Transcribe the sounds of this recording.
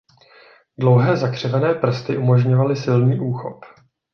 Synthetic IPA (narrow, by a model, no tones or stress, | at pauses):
dlo̞wɦɛːzakr̝̥ɛvɛnɛːpr̩st̪ɪʔumo̞ʒɲo̞valɪsɪlniːʔuːxo̰p